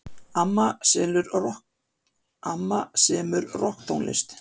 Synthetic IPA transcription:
amːasɛlʏɾɔ | amːasɛːmʏɾrɔhkt̪ʰownlɪ̰st̪

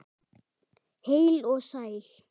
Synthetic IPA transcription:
hejlɔsajl

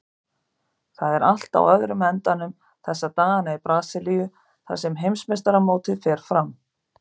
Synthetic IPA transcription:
θaðɛɾal̥t̪a̰wœðɾʏmɛnt̪anʏm | θɛsːat̪aːɣanaipɾaːsɪlijʏ | θa̰ɾ̥sɛmɦejmsmɛst̪aɾamoːwt̪ɪðfɛːɾ̥fɾam

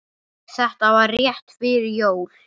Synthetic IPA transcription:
sɛht̪avarjɛht̪fɪɾɪɾjoːwl

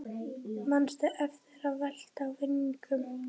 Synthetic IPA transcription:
manst̪ʏʔɛftɪɾavɛl̥t̪awvɪnːiŋkʏm

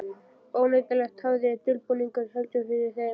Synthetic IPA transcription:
oːwneɥjt̪alɛxt̪hawðɪt̪ʰɪlpuniŋkʏɾhœlt̪œfɪðɪθɛ

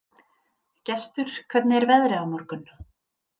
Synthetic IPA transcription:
cɛst̪ʏɾ̥kʰvɛt̪nɪɛɾvɛðɾɪawmɔɾkʏn

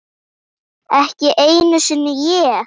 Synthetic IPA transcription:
ɛhcɪʔeːjnʏsʏnːɪjɛ

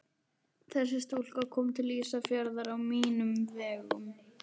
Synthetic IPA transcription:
θɛsːɪst̪ul̥kakʰɔːmt̪ʰɪliːsafjœɾðaɾawmiːnʏmvɛːɣʏ̰m

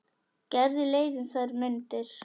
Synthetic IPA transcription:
cɛɾðilejðɪnsaɾmʏnt̪ɪɾ̥

